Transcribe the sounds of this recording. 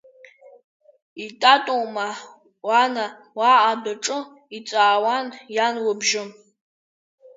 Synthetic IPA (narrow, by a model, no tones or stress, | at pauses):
itʼatʼoma | wana | waːʔːdaʈ͡ʂʼɨ | it͡sʼaːwanjanwəbʒɨm